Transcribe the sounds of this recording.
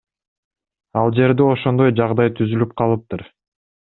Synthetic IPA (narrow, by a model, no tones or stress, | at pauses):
ɑlˠd͡ʒe̞ɾd̪eo̞ʃo̞nd̪o̞jd͡ʒɑʁd̪ɑjt̪ʰyzylyp̚qʰɑlˠɯp̚t̪uɾ